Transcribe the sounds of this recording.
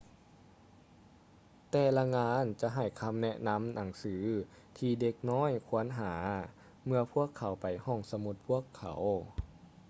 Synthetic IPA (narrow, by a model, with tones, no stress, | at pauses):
t̪ɛː˧˩la˧ŋaː˧˥nt͡ɕa˧˦ɦa˨˩jkʰa˧mnɛ˧ʔna˧˥mna˨˩˦ŋsɯː˩˦ | t̪ʰiː˧de˧˥k̚nɔː˧˥˨jkʰu˧˥˦ənɦaː˦ | mɯ˧ɐpʰu˥˩əkʰːa˨˩˦wpa˨˩jhɔ˧˩ŋsa˧mu˧˦t̪̚pʰu˧˥˩əkʰːa̰˨˩˦w